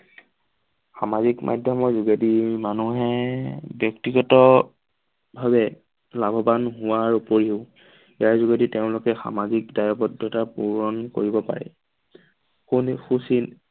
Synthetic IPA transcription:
xamazikmʔa̰dʱjɔmɔɹzuɡadimanuɦɛbjɔktiɡɔtɔ | bʱabɛ | labʱɔbanɦʊwaɹupoɹiʊʊ | iaɹzuɡaditeʊ̃lʊkɛxa̰mazikdajɔbɔdʱjɔtapuɹɔnkoɹibɔpa̰ɹɛ̰ | xunxusin

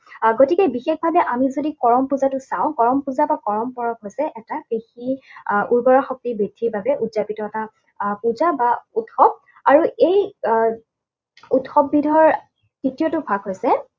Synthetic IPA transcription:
ɡotikɛbixexbʱabɛʔamizodikɔɹɔmpuzatʊsãʊ̃kɔɹɔmpuzabakɔɹɔmpɔɹɔkɦojsɛʔɛtabexiʔuɹbɔɹaxɔk̚tibedʱiɹbʱabɛʔuzapitɔɛta | puzabautxɔp̚ | aɹuej | utxɔbːidʱɔɔɹ | titiotʊbʱaɡɦojsɛ

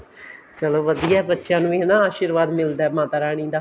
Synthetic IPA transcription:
t͡ʃəloːʋəd̪ijaːbətːʃjãːnũːeɦnãːaːʃɪɾʋaːd̪mɪld̪aːmaːt̪aːɾaːɽ̃ĩːd̪aː

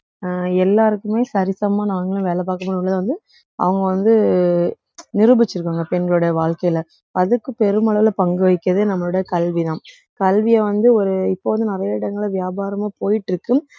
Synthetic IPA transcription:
ɛlːaːɾɯkːɯmeːsɐɾɪsɐmaːnaːŋɡɐɭɯ̃ʋeːlɐp̬aːɾkɐmoːnɭːɐðãʋɐnd̪ɯ | ʔɐ̰ʋɐŋɡɐʋɐnd̪ɯ | nɪɾɯbɪt͡ʃːɯɾɯkːaːŋɡɐpɛnɡɐɭɯɽɐjɐʋaːɭkɐjɪlɐ | ɐðɯkːɯpɛɾɯmɐɭɐɪlɐpɐŋɡɯʋɐɪkːɐðɯnɐmːɐɭɯɽɐjɐkɐlʋiðãː | kɐlʋɪjɐʋɐnd̪ɯɔɾɯɪpːoːʋɐnd̪ɯnɪɾɐjɐɪɽɐŋɡɐɭʋɪjaːbaːɾɐmaːpoːjɪʈːɪɾɯkːɯm

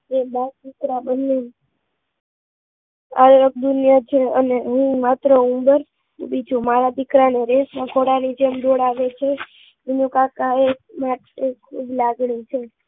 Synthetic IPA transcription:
ebad̪ikɾabənːe | ələk̚d̪unjət͡ʃʰeə̰neəɦĩmat̪ɾəũmbəɾ | bid͡ʒumaɾad̪ikɾaneɾesnaɡʰʱoɽanid͡ʒemdoɽaʋet͡ʃʰe | minũkakaemaʈekʰublaɡɳit͡ʃʰe

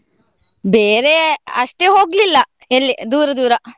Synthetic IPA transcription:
beːɾeɐʂʈeːɦo̞ːɡlilːɐ | ɐlːid̪uːɾɐd̪uːɾɐ

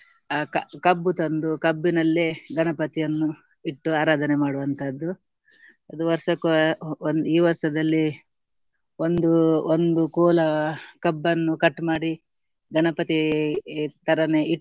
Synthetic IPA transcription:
kɐbːut̪ɐnd̪ukɐbːinɐlːeɡɐnɐpɐt̪ijɐnːu | iʈːuaːɾaːd̪ʱɐnɛmaːɽuʋɐnt̪ʰɐd̪ːu | ɐd̪uʋɐɾʂɐkund̪iːʋɐɾʂɐd̪ɐlːi | ond̪uond̪ukɔːlɐkɐbːɐnːukɐʈːmaːɽi | ɡɐɳɐpɐt̪i | t̪ɐɾɐneʔi

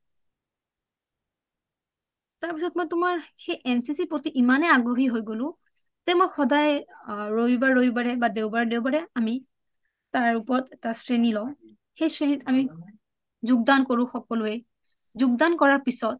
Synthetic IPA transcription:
taɹpisɔt̚mojtːʊmaɹxejʔɛnsisipɹotiʔimanɛaɡɹoɦiɦojɡolʊ̃ | tɛmojxɔdajɹoibaɹːojbaɹɛbadeʊbaɹdeʊbaɹɛami | taɹupɔɹɔtɛtasɹenilɔ | xejsɹenitami | zʊɡ̚dankoɹʊ̃xɔkɔlʊɛ | zʊɡdankɔɹaɹpisɔt̚

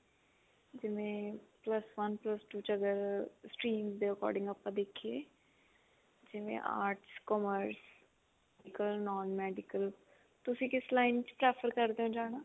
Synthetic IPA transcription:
d͡ʒɪʋẽːpləsʋənpləsʈuːt͡ʃəɡəɾsʈɾiːmzd̪eːəkɔ̰ːɾɖɪ̃ŋɡaːpːãːd̪eːkʰːieː | d͡ʒɪʋḛ̃ʔa̰ːɾʈskɔməɾs | ɛɪkəlnɔːnmɛːɖɪkəl | t̪ʊsĩːkɪslaːɪnt͡ʃpɾɛːfʰəɾkəɾd̪eːõːd͡ʒaːɽ̃aː

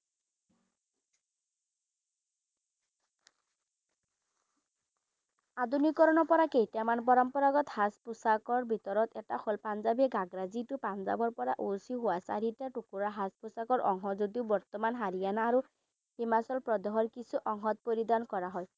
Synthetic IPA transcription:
ad̪unikɔɾɔnɔpɔɾakejtamanpɔɾɔmpɔɾaɡɔt̪haspusakɔɹbʱit̪ɔɾɔt̪ɛtaxolpanzabiɔɡaɡɾazitupand͡ʒa̰bɔɹpɔɾaʔusiɦuwasa̰ɾitaʈukuɾaɦaspusakɔɹʔɔ̰ŋɦɔzud̪iubɔɹt̪ɔmanɦaɾijanaːɾu | himasɔlpɹɔd̪ɔɦɔɹkisʰuʔɔŋɦɔt̪̚poɾid̪ankɔɹaɦɔj

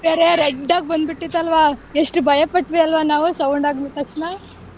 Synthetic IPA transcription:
beːɾeɾeɖːaːɡ̚bɐnd̪biʈːit̪ːɐlʋaːeʂʈubʱɐjɐpɐʈʋiɐlʋaːnaːʋusɐwuɳɖaːɡmit̪ɐkʂnaː

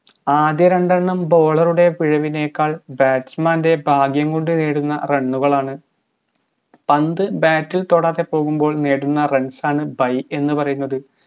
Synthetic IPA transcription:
aːd̪jɐɾɐɳɖɐɳːɐmbo̞ːɭɐruɽe̞ʋiɻɐʋine̞ːkːaːɭbaːtsmaːnde̞bʱaːɡʱjɐŋɡo̞ɳɖɨneːɽunːɐreɳːuɣɐɭaːɳɨ | pɐnd̪ɨbaːtːilt̪o̞ːɽaːt̪ːe̞po̞ːɣumbo̞ːɭneːɽunːɐre̞ɳsaːɳɨbɐje̞nːɨpɐrɐjunːɐðɨ

